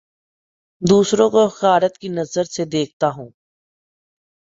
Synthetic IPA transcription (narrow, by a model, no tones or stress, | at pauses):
d̪uːsɾõkoxaːɾət̪kinɐzəɾsed̪eːk̚ʰt̪aɦũː